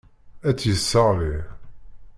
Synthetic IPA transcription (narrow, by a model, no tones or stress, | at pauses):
æt͡sːjəsːəʁli